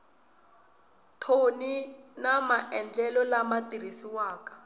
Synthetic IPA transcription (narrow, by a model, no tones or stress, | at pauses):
tʰoninamaʔɛnd͡ɮɛlɔlamatirisiwaːkḁ